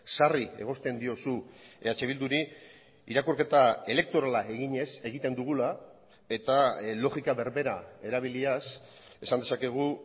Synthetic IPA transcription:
sarie̞̰ɣ̞o̞st̪e̞nd̪io̞suat͡ʃe̞β̞ild̪uɾi | iɾakurke̞t̪ae̞le̞k̚t̪o̞ɾalae̞ɣiɲe̞se̞ɣ̞it̪e̞nd̪uɣ̞ula | e̞t̪alo̞ɣikaβe̞ɾβe̞ɾae̞ɾaβ̞ilias | e̞sand̪e̞sake̞ɣ̞u

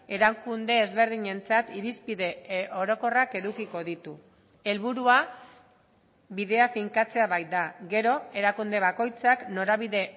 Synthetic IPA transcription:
e̞ɾaŋkund̪e̞ːzβe̞ɾð̞iɲe̞nt͡sat̪iɾispiðe̞ʔo̞ɾo̞ko̞rake̞ðukiko̞ðit̪u | e̞lβuɾua | biðe̞afiŋkat͡se̞aβaj̪̚d̪aɡe̞ɾo̞e̞ɾakund̪e̞βako̞jt͡sakno̞ɾaβ̞iðe̞

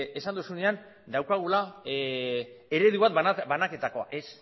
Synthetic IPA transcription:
e̞sand̪usune̞an | d̪awkaɣ̞ula | e̞ɾe̞ðuβat̪banake̞t̪ako̞a̰ʔe̞s

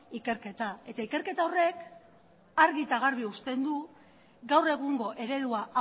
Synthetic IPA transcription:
ike̞ɾke̞t̪ae̞t̪aike̞ɾke̞t̪aore̞k | aɾɣit̪aɣaɾβiust̪e̞nd̪u | ɡawre̞ɣ̞uŋɡo̞ʔe̞ɾe̞ðuaʔa

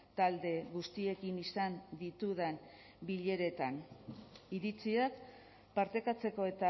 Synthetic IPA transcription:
t̪ald̪e̞ɣust̪ie̞kinisand̪it̪uðe̞n | biʎe̞ɾe̞t̪an | iɾit͡siak | paɾt̪e̞kat͡se̞ko̞e̞t̪a

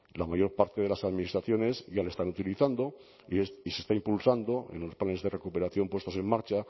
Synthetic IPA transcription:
lamaʝo̞ɾpaɾt̪e̞ðe̞lasaðminist̪ɾaθjo̞ne̞zʝalest̪anut̪iliθand̪o̞ | esise̞st̪aimpulsand̪o̞ḛnlo̞splane̞zðe̞re̞kupe̞ɾaθjo̞mpwe̞st̪o̞se̞mmaɾt͡ʃa

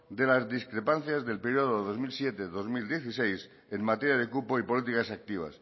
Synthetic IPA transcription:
d̪e̞lazðiskɾe̞pan̟θjazðe̞lpeɾjoð̞oeðo̞zmilsjet̪eðo̞zmild̪je̞θisejs | emmat̪eɾjað̞e̞kupoipo̞lit̪̬ikasak̚t̪iβ̞a̰s

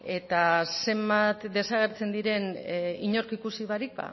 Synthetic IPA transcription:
e̞t̪ase̞mbat̪d̪e̞saɣ̞e̞ɾt͡se̞nd̪iɾe̞niɲo̞ɾkikusiβaɾik̚ba̰

